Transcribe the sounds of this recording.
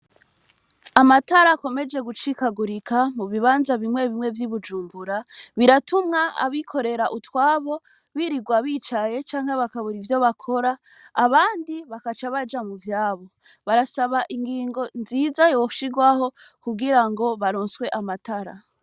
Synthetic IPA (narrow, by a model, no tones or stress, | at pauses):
amataɾako̞me̞d͡ʒe̞ɡut͡ʃikaɡuɾikʰamuβiβaːnzaβimŋe̞βimŋe̞vjiβud͡ʒuːmbuɾaβiɾatumŋaa̰βikʰo̞ɾe̞ɾaʔutwaːβo̞ | βiɾiɡwaβiːt͡ʃaje̞t͡ʃaːŋhe̞βakaβuɾivjo̞βakʰo̞ɾaː | βaːndiβakat͡ʃaβad͡ʒamuvjaːβo̞ | βaɾasaβaʔiŋɡiːŋɡo̞nziːzajooʃiɡwaho̞ | kuɡiɾaŋɡo̞βaɾoːnswe̞ʔamataɾa̰